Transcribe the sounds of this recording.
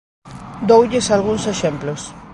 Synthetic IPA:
d̪owʎɪsalɣuŋseʃemplos

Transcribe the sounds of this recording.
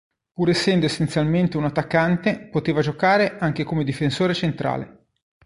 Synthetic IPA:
puːɾesːɛnd̪oesːent̪sjalment̪eunat̪ːakːant̪epot̪eːvad͡ʒokaːɾeʔaŋk̟ekomed̪ifensoːɾet͡ʃent̪ɾa̰ːlḛ

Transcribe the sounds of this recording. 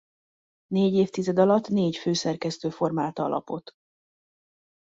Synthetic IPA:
neːɟeːft̪izɛd̪ɒlɒt̪ːneːcføːsɛrkɛst̪øːfo̞rmaːlt̪ɒ̰lʔɒ̰po̞t̪

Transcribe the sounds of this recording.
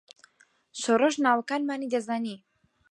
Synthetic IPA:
ʃoroʒnaːwɐkaːnmaːnid̪ɐzaːniː

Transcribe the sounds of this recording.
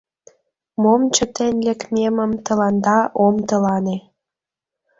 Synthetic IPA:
momt͡ɕət̪enʲlekmeməmt̪ə̆lɑnd̪ɑʔomt̪əlɑne

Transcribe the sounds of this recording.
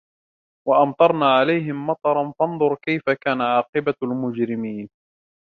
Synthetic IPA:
waʔɑmt̪ˤɑɾˤnaːʕalajɦɪmːɑt̪ˤɑɾˤɑnfɑnðˤʊɾkajfakaːnaʕɑːqɨbalmʊd͡ʒɾɪmiːn

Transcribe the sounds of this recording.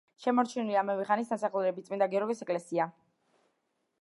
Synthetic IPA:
ʃɛmɔɾt͡ʃʰiniliamɛvɛχanisd̪asaχlˠɾɛbit̪sʼmind̪aɡɛɔɾɡisɛkʼlɛsia

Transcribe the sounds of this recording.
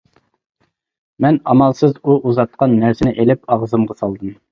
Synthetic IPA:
mɛnɑmɑlˠsɨzuʔuzɑt̪̚qʰɑnːæɾsɪnɪʔelɪpɑʁzɨmʁɑsɑlˠd̪ɨm

